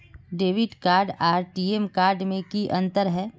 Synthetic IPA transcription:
ɖeːʋɪɖkaːɾɖaːɾʈiːemkaːɾɖmẽkiʔɐ̃nt̪əɾɦɛː

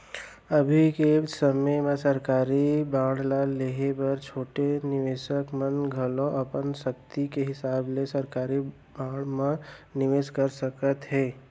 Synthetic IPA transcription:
ɐbʱikesəməmãsɐɾkaːɾibaːɽlaleɦebɐɾt͡ʃʰoːʈenɪʋeːʃəkmənɡʱəlõʔɐpənʃək̚t̪ikeɦɪsaːblesɐɾkaːɾi | baːɽmãnɪʋeːʃkəɾsəkət̪ɦɛ̃ː

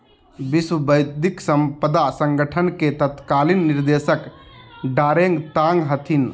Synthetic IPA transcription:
biswəbəjd̪iksəmpəd̪asəŋɡəʈʰənket̪ət̪kalinːiɾd̪esəkɖaːɾeŋɡt̪ãŋɡɦət̪ʰin

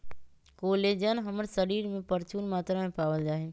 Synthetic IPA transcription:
koːleːd͡ʑənɦɐməɾsəɾiːɾmẽpɐɾt͡ʃuːnmaːt̪ɾamẽpaːʋəld͡ʒaːɦeː

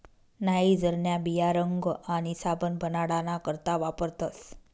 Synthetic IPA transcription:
naɦid͡zəɾɳjabijaɾəŋɡaɽ̃isabənbʱənaɽanakəɾt̪aʋapəɾt̪as

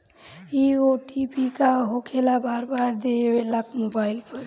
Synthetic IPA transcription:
ioʈipikaɦokʰelabaɾbaɾd̪eelakmobajlpʰʌɾ

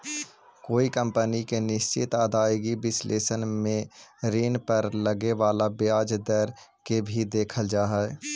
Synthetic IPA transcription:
koːikə̃mpənikenɪst͡ʃɪt̪aːd̪aːjɡibɪslʔeːsənmẽɾiːnpəɾləɡeʋaːlabjaːd͡ʒd̪əɾkebʱid̪eːkʰəld͡ʒaːɦɛɛ

